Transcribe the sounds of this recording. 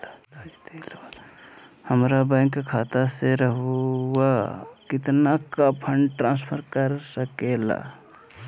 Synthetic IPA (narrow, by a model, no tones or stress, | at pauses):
t̪el | həmɾabãɪ̃ŋkːkʰat̪aseɾəɦwakit̪nakapʰəɳɖʈɾãnspʰəɾkəɾsəkela̰